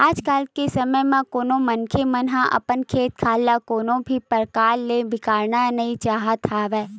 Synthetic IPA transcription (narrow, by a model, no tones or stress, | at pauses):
aːd͡ʒkaːlkesəməjmẽkoːnõmənkʰemənɦãʔɐ̰pənkʰeːt̪̚kʰaːlːakoːnõbʱipəɾkaːɾlebɪkaːɾnanɐɦĩt͡ʃaːɦət̪ʰaʋɛː